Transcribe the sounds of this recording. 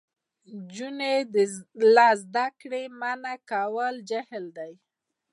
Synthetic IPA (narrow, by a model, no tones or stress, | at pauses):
d͡ʒuned̪əlɑzd̪akɽemanakawəld͡ʒahɪld̪aj